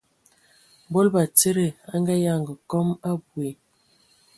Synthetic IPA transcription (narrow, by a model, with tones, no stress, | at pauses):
bo˦lba˨t͡se˦ɾe˨a˦ŋɡa˦ja˦˨ŋɡə˨kɔ˦ma˦bwe˨